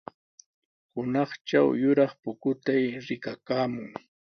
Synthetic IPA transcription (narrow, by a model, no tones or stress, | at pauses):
hʊnɑχt͡ʃa̰wjʊɾɑχpʊkʊt̪ajɾɪkakaːmʊŋ